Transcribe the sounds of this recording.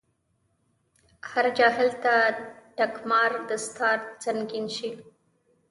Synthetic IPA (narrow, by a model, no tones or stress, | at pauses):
haɾd͡ʒɑɦɪlt̪aʈakmɑɾd̪əst̪ʰɑɾt͡saŋɡinʃi